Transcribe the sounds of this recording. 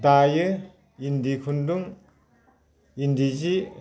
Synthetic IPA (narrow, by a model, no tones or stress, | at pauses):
dajɯ | indikʰunduŋ | indizi